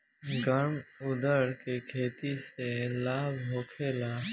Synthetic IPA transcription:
ɡəɾmʊd̪əɾkekʰeːt̪iselaːbɦoːkʰeːlaː

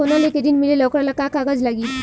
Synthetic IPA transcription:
onaleked̪iːnmileləwkɾalakakaɡəd͡zlaɡiːt̪

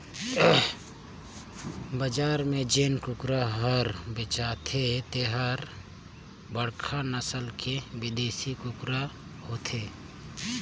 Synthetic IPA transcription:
bəd͡ʒaːɾmẽd͡ʒeːnkʊkɾaɦəɾbɪt͡ʃaːt̪ʰet̪eɦəɾ | bəɽkʰanəsəlkʰewɪd̪eːsikʊkɾa | hoːt̪ʰeː

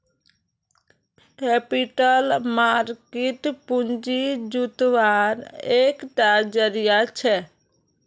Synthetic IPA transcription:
kɛpiʈəlmaɾkiʈpund͡ʒid͡ʒut̪ʋaɾekʈad͡ʒəɾijat͡ʃʰɛ

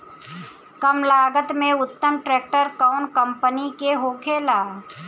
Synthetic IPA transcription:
kɐmlaːɡət̪mẽʊt̪ːəmʈɾɛːk̚ʈəɾkaʊnkə̃mpənikeɦoːkʰeːlaː

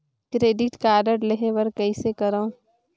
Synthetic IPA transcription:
kɾeːɖɪʈkaːɖəɾleɦẽʋəɾkɐisekɐɾã

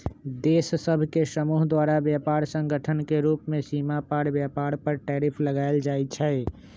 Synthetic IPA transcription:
d̪eːsːəbʱkesəmuːɦd̪waɾabjapaɾsə̃ŋɡʱəʈʰənkeɾupmesimapaɾbjapaɾpəɾʈɛɾipʰləɡaeld͡ʒajt͡ʃʰɛ

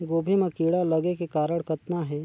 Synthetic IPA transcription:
ɡoːbʱimɐ̃kiːɽalɐɡekekaːɾəɽ̃kɐt̪naɦɛː

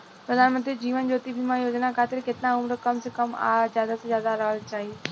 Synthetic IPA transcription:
pɾəd̪ʱaːnmə̃nt̪ɾid͡ʒiːʋənd͡ʒoːt̪ibʱimãjoːd͡ʒnakʰaːt̪ɪɾkɪt̪nãʊmɾəkəmsekəma̰zjaːd̪asẽzjaːd̪aɾəəlt͡ʃaːɦi

